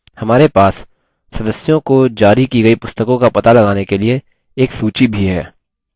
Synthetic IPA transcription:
hɐmaːɾepaːsː | ɐd̪əsːjõkod͡ʒaːɾikiɡɐipʊst̪əkõkapɐt̪alɐɡaːnekelieː | ksuːt͡ʃibʱiɦɛ̰ː

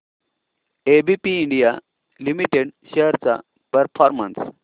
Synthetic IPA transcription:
ebipiːɳɖija | limiʈeɽɕeɦɾt͡sa̰ | pəɾfɔɾməns

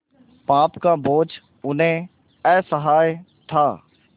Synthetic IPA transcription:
paːpkaboːt͡ʃ | ʊnɦẽ | ɛːsəɦaːjt̪ʰaː

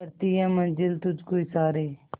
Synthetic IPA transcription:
əɾt̪iːɛ̃ːmənd͡ʒɪlt̪ʊd͡ʒkoːiːsaːɾeː

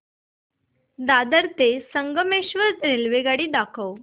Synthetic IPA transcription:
d̪ad̪əɾt̪esəŋɡəmeɕʋəɾt͡snilʋeɡaɽiːd̪akʰəw

